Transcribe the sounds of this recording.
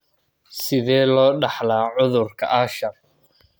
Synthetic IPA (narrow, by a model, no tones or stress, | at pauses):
sɪðɛːlɔːɖɑħlaːʕʊðʊrkʰɐ̰ʔɐʃɐr